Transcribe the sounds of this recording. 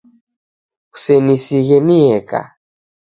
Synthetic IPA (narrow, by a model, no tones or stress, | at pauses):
u̥sɛnisiɣɛniɛka̰